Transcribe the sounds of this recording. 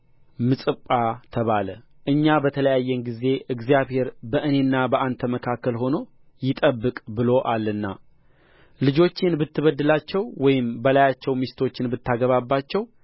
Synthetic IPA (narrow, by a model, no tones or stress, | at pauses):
mɨsʼɨpʼːat̪ʰəβalə | ʔɨɲːabət̪ʰələjajːɛnɡize̞ʔɨɡzijaβhe̞ɾbəʔɨne̞nːabəʔant̪ʰəməkʰakːəlɦo̞no̞ | jɪt̪ʼəbːɨkʼbɨlo̞ʔalːɨnːa̰ | lɨd͡ʒo̞t͡ʃːɪnbɨt̪ːɨβəd̪ːɨlat͡ʃːɛwwɔjɪmbəlajat͡ʃːɛwmist̪ʰo̞t͡ʃːɪnbɨt̪ʰːaɡəβabːat͡ʃːɛw